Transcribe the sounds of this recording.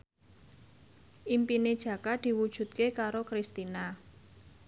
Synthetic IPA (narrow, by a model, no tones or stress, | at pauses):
ʔimpined̥ʒ̥ä̤kad̪̥i̤wud̥ʒ̥ṳt̪̚kekaɾokɾist̪ina